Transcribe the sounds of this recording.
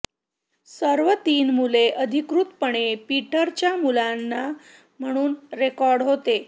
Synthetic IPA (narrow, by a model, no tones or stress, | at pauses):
səɾʋət̪iːnmuleʔəd̪ʱikɾut̪pəɳepiʈəɾt͡ɕjamulanːa | m̤əɽ̃uːnɾekɔɾɖɦot̪e